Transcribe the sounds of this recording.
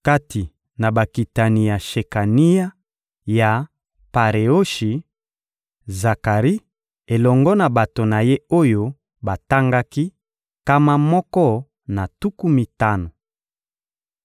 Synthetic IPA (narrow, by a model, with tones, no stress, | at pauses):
ka˦ti˨ | na˨ba˨ki˨ta˨ni˨ja˨ʃe˨ka˨ni˦ja˦ | ja˨ | pa˨ʁe˨o˦ʃi˨ | za˨ka˨ʁi˦ | e˨lɔ˨ŋɡɔ˦na˨ba˨to˨na˨je˦o˦jo˦ | ba˨ta˦ŋɡa˦ki˦ | ka˦ma˦mɔ˦kɔ˦ | na˨tu˦ku˦mi˨ta˦no˨